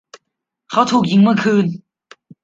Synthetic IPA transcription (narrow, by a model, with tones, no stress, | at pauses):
kʰa˨˥wt̪ʰuː˨˩k̚ji˧˦ŋmɯ˥˩əkʰɯː˧n